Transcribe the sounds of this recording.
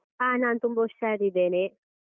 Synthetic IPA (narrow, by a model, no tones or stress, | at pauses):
anant̪umboʃad̪id̪ene